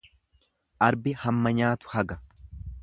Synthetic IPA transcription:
ʔɐɾbɪhɐmːɐɲaːt̪ʊ̥hɐɡɐ

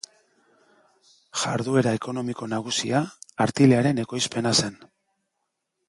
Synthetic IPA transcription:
ʝaɾðue̞ɾae̞ko̞no̞miko̞naɣ̞usiaːɾt̪ileaɾe̞ne̞ko̞jspe̞nase̞n

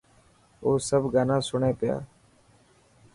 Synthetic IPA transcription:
oːsəbɡaːnãːsʊɳeːpɪja̰ː

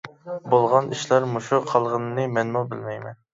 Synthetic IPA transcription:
bolˠʁɑnʔiʃlæɾmoʃuqʰɑlˠʁənɨnɨmɛnmubɪlmɛjmɛn

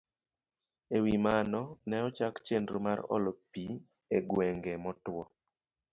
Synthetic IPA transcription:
ewimanɔnɛɔt͡ʃakt͡ʃendɾo̰maɾɔ̰lɔpi | eɡwɛŋɡɛmɔtwɔ

